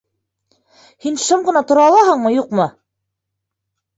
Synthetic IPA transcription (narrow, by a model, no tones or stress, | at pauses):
hinʃɤmʁɤ̆nɑt̪ŏɾɑːlˠɑɦɤɴmɤjuqmɤ